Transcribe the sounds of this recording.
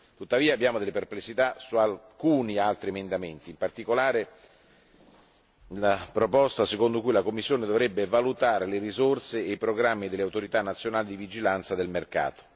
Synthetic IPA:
t̪ut̪ːaviːabːjaːmod̪elːeperplesːit̪asualkuːnialt̪ɾiemend̪ament̪iːmpart̪ikolaːɾe | lapɾopɔst̪asekond̪okujlakomːisːjoːned̪ovɾɛbːevalut̪aːɾeleɾizorseːjpɾoɡɾamːid̪eleawt̪oɾit̪anːat̪sːjonaːlid̪ivid͡ʒilant̪sad̪elmerka̰ːt̪o̥

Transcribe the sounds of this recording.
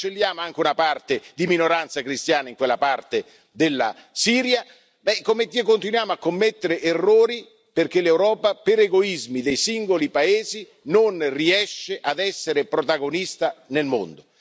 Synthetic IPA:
t͡ʃelːjaːmoaŋk̟eunapart̪ed̪iminoɾant̪sakɾist̪jaːnaiŋkwelːapart̪e | d̪elːa̰siːɾja | bɛkːomet̪ːikːont̪inwjaːmoakːomːet̪ːeɾeʔerːoːɾi | perkelːewɾɔːpapeɾeɡoizmid̪ejsiŋɡolipaeːzi | nonriɛʃːeʔad̪ɛsːeɾepɾot̪aɡonist̪anelmo̰nd̪o

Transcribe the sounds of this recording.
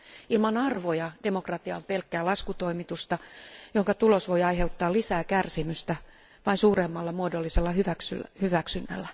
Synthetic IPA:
ilmɑnɑrʋojɑd̥emokrɑt̪iɑ̰mpelkːæːlɑskut̪oimit̪ust̪ɑjoŋkɑt̪ulosʋojɑiheut̪ːɑːlisæːkærsimyst̪æ | ʋɑinsuːremːɑlːɑmuodolːiselːɑhyʋæksy̰hyʋæksynːæ̰lːæ

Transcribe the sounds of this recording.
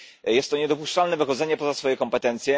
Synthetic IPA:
jɛst̪ːɔɲɛd̪ɔpuʂt͡ʂalnɛvɘxɔd̪zɛɲɛpɔzasfɔjɛkɔmpɛt̪ɛnt̪sʲjɛ

